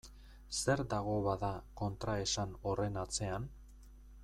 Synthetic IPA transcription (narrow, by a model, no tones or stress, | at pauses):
se̞ɾd̪aɣ̞o̞βaðako̞nt̪ɾae̞sano̞re̞nat͡se̞an